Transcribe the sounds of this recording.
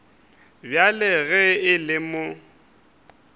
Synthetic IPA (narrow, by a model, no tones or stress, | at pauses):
bjalɪɣɛɪlɪmo